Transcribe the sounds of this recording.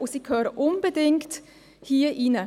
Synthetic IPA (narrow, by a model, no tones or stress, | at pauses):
usiːkʰœːɾəʔʊnb̥edɪŋkt | hiəʔinə